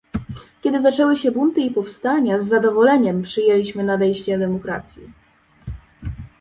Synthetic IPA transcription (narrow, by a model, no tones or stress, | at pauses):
kʲɛd̪ɘzat͡ʂɛwɘɕɛbunt̪ɘipɔfst̪aɲazːad̪ɔvɔlɛɲɛmpʂɘjɛlʲiɕmɘnad̪ɛjɕt͡ɕɛd̪ɛmɔkɾat̪sʲji